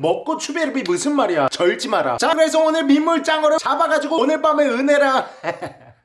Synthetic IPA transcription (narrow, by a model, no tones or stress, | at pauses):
mʌk̚k͈ot͡ɕʰubeɾɯbimusʰɯnmaɾijat͡ɕʌɭd͡ʑimaɾa̰t͡ɕakɯɾe̞s̬ʰʌonɯmimːuɭt͡ɕ͈aŋʌɾot͡ɕabaɡad͡ʑiɡone̞p͈ameɯnɦe̞ɾa